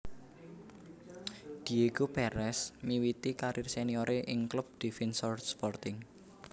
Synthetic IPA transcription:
d̪̥ieɡopɛɾɛsmiwit̪ikaɾʔɪrsenioɾʔeʔɪŋklub̚d̪̥ifɛnsɔrspɔrt̪ɪŋ

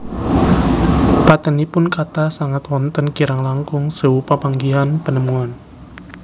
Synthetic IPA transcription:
pat̪ənipʊnkat̪asaŋat̪wɔnt̪ənkiɾaŋlaŋkʊŋsəwupapaŋɡiɦanpənəmuan

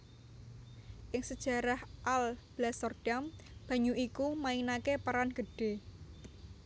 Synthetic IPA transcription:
ʔɪŋsəd̥ʒ̥a̤ɾahʔalb̥lasɔrd̥amb̥ä̤ɲuʔikumainakepaɾanɡ̥ə̤ɖ̥e̤

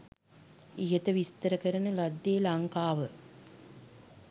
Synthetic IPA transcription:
ijət̪əʋist̪əɾəkəɾənəlad̪ːeːlaŋkaːʋə

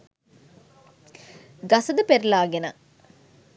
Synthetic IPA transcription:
ɡɐsəd̪əpeɾlaːɡenə

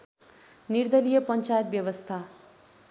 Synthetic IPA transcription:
nird̪ʌlijʌpʌnt͡sajʌt̪̚bjʌβʌst̪ʰa

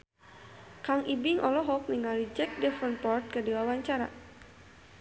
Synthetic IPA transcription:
kaŋʔibiŋʔɔlɔɦɔk̚niŋalid͡ʒɛk̚dɛfənpɔrt̪̚kədiwawaɲt͡ʃaɾa̰

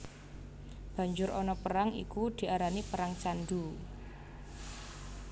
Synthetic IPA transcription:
b̥ä̤ɲd͡ʒʊɾɔnɔpəɾaŋḭkud̪̥i̤aɾanipəɾaŋt͡ʃand̪u

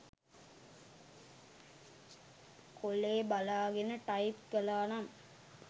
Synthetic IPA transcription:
koleːbɐlaːɡenəʈɐjipkɛlaːnam

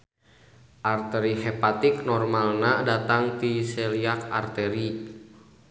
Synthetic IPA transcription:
ʔart̪ɛɾihɛpat̪iknɔrmalnadat̪aŋt̪isɛliaka̰rt̪ɛɾi

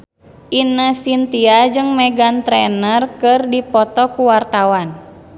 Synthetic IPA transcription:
ʔinasint̪iad͡ʒɨŋmɛɡant̪ɾɛnərkɨrdipɔt̪ɔkuwart̪awan

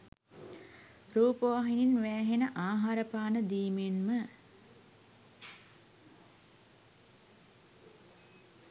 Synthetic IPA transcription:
ɾuːpəʋaɦininʋæːɦenəʔaːɦaɾəpaːnəd̪iːmenmə

